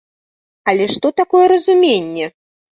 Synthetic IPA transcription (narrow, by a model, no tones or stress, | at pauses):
ɐlʲɛʂt̪ɔt̪akɔjɛɾɐzumʲenʲːɛ